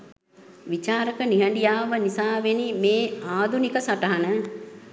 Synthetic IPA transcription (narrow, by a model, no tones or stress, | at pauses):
ʋit͡ʃaːɾəkəniɦəɳɖijaːʋənisaːʋenimeːaːd̪ʱunikəsaʈəɦanə